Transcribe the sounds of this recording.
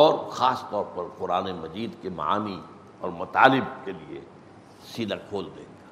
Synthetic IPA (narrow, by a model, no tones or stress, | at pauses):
ɔːɾxaːst̪ɔːɾpɐɾqʊɾaːnemɐd͡ʒiːd̪kemɐ̰a̰ːmi | ɔ̰ːɾmɐt̪a̰ːlɪb̚keliḛ | siːd̪akʰoːld̪ḛ̃ːɡaː